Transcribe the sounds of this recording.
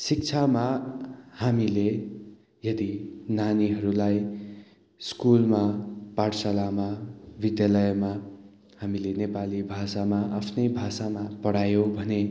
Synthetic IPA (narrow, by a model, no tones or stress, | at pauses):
sik̚t͡sʰama | hamile | jʌd̪inaniɦʌɾulaj | skulmapaɽsalamabid̪jalʌjma | hamilenepalibʱasamaʔapʰnʌjbʱasamapʌɽajobʱʌne